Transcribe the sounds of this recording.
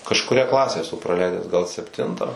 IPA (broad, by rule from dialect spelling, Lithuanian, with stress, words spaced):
kɐʃkʊˈrʲɛ ˈklˠɑːsʲæː ɛˈsʊ prɐˈlʲɛɪdʲæːs ɡɐlˠ sʲɛpʲˈtʲɪntɑː